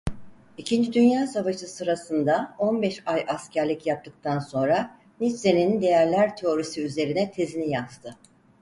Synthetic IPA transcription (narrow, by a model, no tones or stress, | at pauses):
icʰind͡ʒid̪ynjaːsavaʃɯsɯɾasɯnd̪ao̞nbɛʃajʔascʰæɾlʲicjap̚t̪ʰːɯk̚t̪ʰanso̞nɾa | nit͡ʃse̞nind̪e̞jæɾlʲæɾt̪ʰe̞o̞ɾisiyze̞ɾinɛt̪ʰe̞zinijaz̥t̪ʰɯ